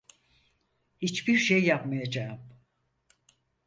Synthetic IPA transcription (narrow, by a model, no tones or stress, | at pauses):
hit͡ʃbiɾʃejːapmajad͡ʒaːɯm